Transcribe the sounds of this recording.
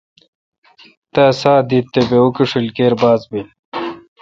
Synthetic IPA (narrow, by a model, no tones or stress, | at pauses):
t̪asaːd̪it̪ːebeukiʂilkeːɾbaːzbil